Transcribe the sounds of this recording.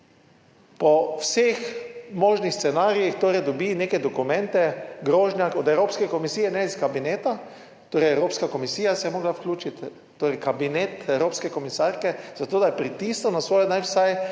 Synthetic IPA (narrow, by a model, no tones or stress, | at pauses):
pɔwsexmoːʒnixst̪sɛnaːɾijixt̪oːɾɛjd̪ɔbineːkɛd̪ɔkumɛ̃nt̪ɛɡɾoːʒnjakɔd̪ɛwɾoːpskɛkomisiːjɛnɛiskabineːt̪a | t̪oːɾɛjɛwɾoːpskakomisiːjasɛjɛmoːɡlawklʲuːt͡ʃit̪ː | oːɾɛjkabinet̪ɛwɾoːpskɛkomisaːɾkɛz̥at̪oːd̪ajpɾit̪isnɔnasʋoːjɔd̪anwsaj